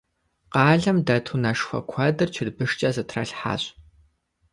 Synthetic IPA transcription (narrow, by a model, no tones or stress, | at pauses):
qɑːɮɐmdɐtʰunɐʃxʷɐ̰kʷʰɐdɨrt͡ʃʰɪrbɨʂt͡ʃʼɐzɨtʰrɐ̰ɬħa̰ːɕʼ